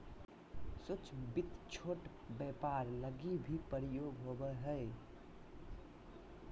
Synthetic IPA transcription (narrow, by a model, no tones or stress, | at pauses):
sot͡ʃbit̪t͡ʃʰoʈ | bɛpaɾləɡibʱipəɾijoɡɦobəɦəɪ